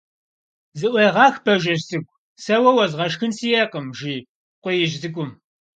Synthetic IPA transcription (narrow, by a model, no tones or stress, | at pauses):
zɨʔʷɐjʁɑːxbɐʒɐʃsɨkʷʼ | sɐwɐwɐzʁɐʃxɨnsijeːqəmʒiː | qʷʊjɪʒzɨkʷʼʊm